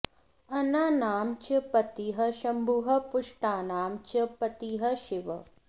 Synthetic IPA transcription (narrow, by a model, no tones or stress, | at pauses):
ɐnaːnaːmt͡ʃɐpɐt̪iɦɐʃɐmbʱuːɦɐ̆pʊʂʈaːnaːmt͡ʃɐpɐt̪iɦɐʃɪʋɐ̰